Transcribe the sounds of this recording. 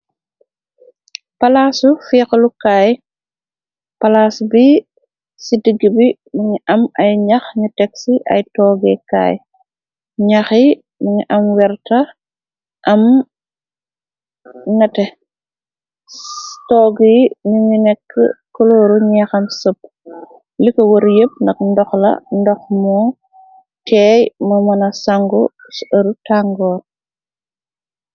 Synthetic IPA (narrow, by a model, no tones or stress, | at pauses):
pɐlaːsufiːxəlukaːj | pɐlaːsbi | sidəɡːəbi | muŋiʔɐmɐjɲɐxɲutɛksiʔɐ̰jtɔːɡɛka̰ːj | ɲɐxi | məɲiʔɐmwɛɾtɐ | ʔɐm | nɐtɛ | tɔːɡijnuɲinɛkːə̰koloːɾuɲɛxɐmsəp̚ː | likɐwoɾjəp̚ndɐk̚ndɔxlɐ̰ndɔxmɔː | tʰɛːjmɐmɐnɐsaŋɡɔ | sɐɾutaŋɡɔːɾ